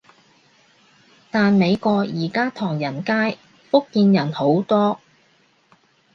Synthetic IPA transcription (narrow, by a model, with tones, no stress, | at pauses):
t̪aː˨nme˨˧jkɔː˧kjiː˨˩kaː˥t̪ʰɔː˨˩ŋjɐ˨˩nkaː˥j | fʊ˥kːiː˧njɐ˨˩nho˨˥wt̪ɔː˥